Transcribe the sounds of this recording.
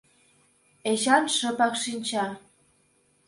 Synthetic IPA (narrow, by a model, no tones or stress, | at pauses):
eɕɑnʃə̆pɑkʃinʲt͡ɕɑ